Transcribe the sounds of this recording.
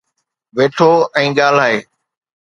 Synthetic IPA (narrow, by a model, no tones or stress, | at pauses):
ʋeːʈʰoːɛ̃ːɠaːl̤aːɦeː